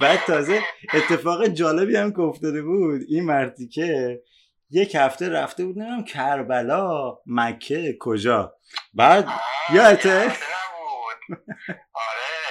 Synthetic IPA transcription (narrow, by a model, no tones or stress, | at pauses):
bæːd̪̚t̪ʰːɒːze̞et̪ʰːe̞fɒːɣed͡ʒɒːle̞biːhæmkeoft̪ɒːd̪e̞buːd̪inmæɾt̪ʰicʰe | je̞chæft̪e̞ɾæft̪e̞buːd̪nemid̪æmcʰæɾbælɒːmækʰːekʰod͡ʒɒː | bæːd̪̚jɒːet̪ʰe